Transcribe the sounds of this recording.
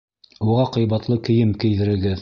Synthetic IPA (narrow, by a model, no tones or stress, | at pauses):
uʁɑqɤ̆jβɑt̪lˠɤkɘ̆jɘmkɘ̆jðɘ̆ɾɘ̆ɡɘð